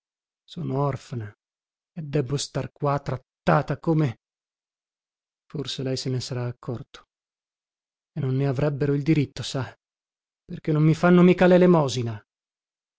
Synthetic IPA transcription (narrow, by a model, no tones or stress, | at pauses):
sɔːnoɔrfana | ed̪ːɛbːost̪arkwat̪ːɾat̪ːaːt̪akoːme | forselɛjsenesaɾaːkʰːɔrt̪o̥ | enːonːeavɾɛbːeɾoild̪iɾit̪ːosa | perk̟enːomːifanːomikalelemɔːzina